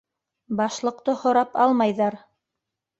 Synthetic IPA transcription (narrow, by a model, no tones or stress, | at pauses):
bɑʃlˠɤ̆qt̪ɤhŏɾɑpɑlˠmɑjðɑɾ